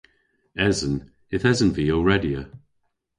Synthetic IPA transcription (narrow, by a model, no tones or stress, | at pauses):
ɛzən | ɪθɛzənviːəɹɛdiə